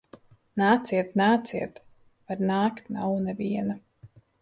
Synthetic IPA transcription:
naːt̪siɛt̪naːt̪siɛt̪ | vaɾnaːkt̪nawnɛviɛna

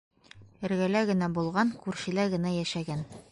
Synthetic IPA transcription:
ɘ̆ɾɡælæɡɘ̆næbulˠʁɑnkʉɾɕɘ̆læɡɘ̆næjæʃæɡæn

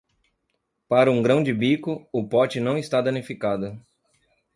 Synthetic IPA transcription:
paɾɐũɡɾɐ̃w̃d͡ʒɪbikʊʊpɔt͡ʃɪnɐ̃w̃ɪst̪ad̪ɐ̃nifikad̪ʊ

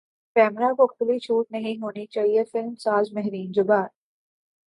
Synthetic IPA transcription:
kɛːmɾakoxʰlit͡ʃʰuːʈ̚nɐɦĩɦoːnit͡ʃaːɦiefɪlmsaːzmɛɦɾiːnd͡ʒʊbaːɾ

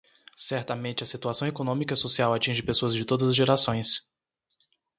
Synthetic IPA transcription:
sɛɾt̪ɐmẽnt͡ʃɪɐsit̪uasɐ̃w̃ekonõmikɐisosiawat͡ʃĩʒɪpesoɐzd͡ʒɪt̪od̪ɐzɐzʒeɾasõj̃s

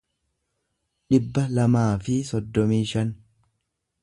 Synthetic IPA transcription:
ᶑɪbːɐlɐmaːfɪsɔd̪ːɔmiːʃɐn

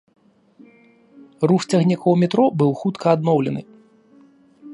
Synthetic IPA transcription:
ruxt͡sʲaɣnʲikɔwmʲɛt̪ɾɔbɨwxut̪kʰɐːd̪nɔwlʲɛnɨ

